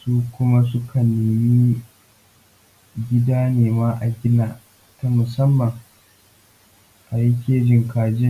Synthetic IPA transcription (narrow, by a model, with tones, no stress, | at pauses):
suː˦kʷʊ˦ma˦s̬ʊ˦kʰɐ˨neː˨mi˦ | ɡʲɪ˦daː˦neː˨maː˦ʔa˨ɡʲɪ˦naː˦ | ta˦mʊ˨sɐ˦mːɐ˨ŋ | ʔa˨ji˦kʲeː˦d͡ʒɪ˨ŋkaː˨d͡ʒɪ˦ŋ